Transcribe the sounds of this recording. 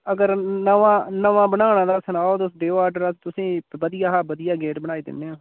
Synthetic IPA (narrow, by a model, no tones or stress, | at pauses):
əɡəɾnəʋãːnəʋãːbəɳaːɽãːd̪aːsənaːoːt̪ːsɖeːoaːɾɖəɾaːt̪ʊsĩːʋəd̪ɪjaːɦabəd̪ɪjaːɡeːʈbəɽ̃aːiːd̪ɪ̰nːeːaː